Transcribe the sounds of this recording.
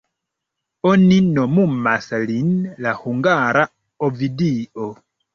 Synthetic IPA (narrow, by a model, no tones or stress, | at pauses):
ɔninɔmumasalinlahuŋɡaɾa | ɔvidiʔɔ